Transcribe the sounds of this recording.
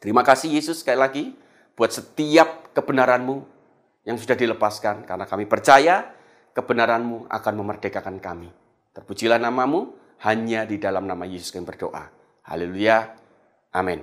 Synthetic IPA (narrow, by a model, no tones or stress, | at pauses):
t̪əɾimakasɪhjesʊskajilaɡi | b̥uat̪̚sət̪iap̚kəbənaɾanmu | jaŋsudahdiləpaskankarənakamipərt͡ʃaja | kəbənaɾanmua̰kanməmərdekakankami | t̪ərpud͡ʒilahnamamu | haɲadidalamnamajesʊ̥skamibərdo̰ʔa̰ | ha̰leluja | ʔa̰mɛn